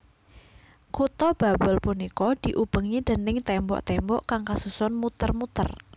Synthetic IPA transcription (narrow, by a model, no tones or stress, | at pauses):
kut̪ɔb̥a̤bəlpunikɔd̪̥i̤ʔub̥ə̤ŋid̪̥ə̤nɪŋt̪ɛmbɔ̰ʔt̪ɛmbɔ̰ʔkaŋkasusɔnmut̪ərmut̪ə̰r